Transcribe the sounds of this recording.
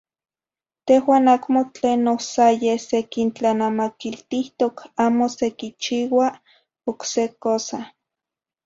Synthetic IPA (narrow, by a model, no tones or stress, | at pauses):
t̪ehwaːnakmot͡ɬeːnːohsajesekint͡ɬanamakilt̪iht̪okaːmosekit͡ʃiːwa | oksekosa